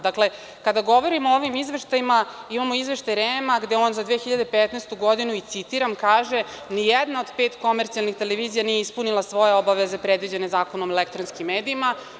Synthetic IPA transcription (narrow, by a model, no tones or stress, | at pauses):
d̪akle̞ | kad̪aɡo̞ʋo̞ɾimooʋimizʋe̞ʃt̪ajimaimamo̞izʋe̞ʃt̪ajɾemaɡd̪eoːnzad̪ʋeːxiʎad̪epet̪nest̪uɡo̞d̪inuit̪sit̪iɾamkaːʒe̞ | nijɛd̪nao̞d̪peːt̪ko̞meɾt̪sialnixt̪e̞leʋizijanijeispunilˠasʋo̞jeobaʋeze̞pɾed̪ʋid͡ʑe̞ne̞zaːko̞nomelek̚t̪ɾonskimːeːd̪iima